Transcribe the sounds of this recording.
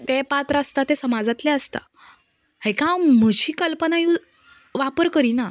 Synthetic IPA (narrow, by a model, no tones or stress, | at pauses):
t̪epat̪ɾəəst̪at̪esəmad͡zat̪lɛəst̪a̰ | hekãwm̤əɕiːkəlpənaju | ʋapəɾkəɾina